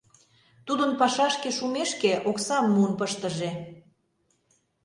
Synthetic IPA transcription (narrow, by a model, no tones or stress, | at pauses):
t̪ud̪ənpɑʃɑʃkeʃumeʃkeʔoksɑmːuənpəʃt̪ə̆ʒe